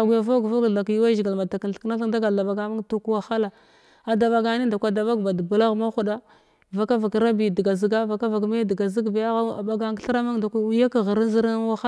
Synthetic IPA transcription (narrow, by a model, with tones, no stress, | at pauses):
a˨ɡʷu˨ja˨vo˦ɡva˦ɡa˨kji˦wa˦ʒɡa˨lma˨ta˨ki˨n˨ɬkna˦ɬi˦ŋ˦da˦ɡa˨da˨ba˨ɡa˨ma˦ŋtu˦kwa˦xa˦la˨ | a˨da˨ba˨ɡa˨˦ni˦nda˨kʷa˨da˨ba˦ɡba˨dbu˨la˦ɣma˦u˨˦da˦ | va˨ka˦va˨kɾa˦bi˨di˨ɡa˨zi˨ɡa˦va˨ka˦va˨kme˦di˨ɡa˨zi˦ɡba˨ja˦ɣa˦a̰˨ba˨ɡa˦ɬɾa˦ma˦ŋda˨kʷa˦wi˦ja˦ka˨ɣə˨ɾi˦n˦zi˦ɾa˦wa˦xa˦